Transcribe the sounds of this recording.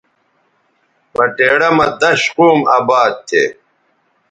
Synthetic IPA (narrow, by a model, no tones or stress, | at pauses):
pɐʈeːɽɐmɐd̪ɐɕquːmaːbaːd̪̚t̪ʰːḛ